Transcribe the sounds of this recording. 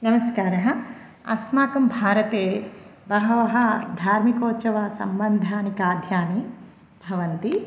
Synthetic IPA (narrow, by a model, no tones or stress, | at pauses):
nɐmɐskaːɾɐɦɐ̆ | ɐ̰smaːkɐmbʱaːɾɐt̪eːbɐɦɐʋɐɦɐ̆d̪ʱaːɾmikoːt͡ʃɐʋɐsɐ̰mbɐnd̪ʱaːnikaːd̪ʱjaːni | bʱɐʋɐnt̪i